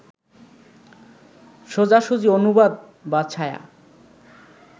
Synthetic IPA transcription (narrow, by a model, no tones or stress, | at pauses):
ʃod͡ʑaʃud͡ʑionubad̪ | bat͡ɕʰaja̰